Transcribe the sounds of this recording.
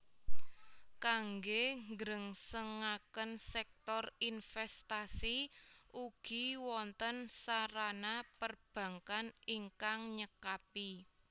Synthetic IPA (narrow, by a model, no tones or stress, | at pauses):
kaŋɡeŋɡɾəŋsəŋakənsɛk̚t̪ɔrinfɛst̪asiʔuɡ̥i̤wɔnt̪ənsaɾanapərb̥ä̤ŋkaniŋkaŋɲəkapi